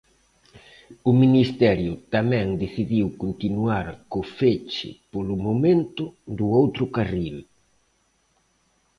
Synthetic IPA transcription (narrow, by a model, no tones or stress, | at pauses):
ʊminist̪ɛɾjʊt̪amɛ̃ŋd̪eθiðiwkont̪inuaɾkofet͡ʃɪ̰polʊmomẽnt̪ʊd̪uowt̪ɾʊkaril